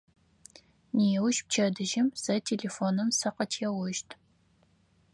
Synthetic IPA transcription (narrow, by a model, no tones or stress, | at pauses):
niɛwʃp̚t͡ʃʰɐdɨʒɪmsɐtʰeːɮefoːnɨmsɐqɐtʰɛwʊʃtʰ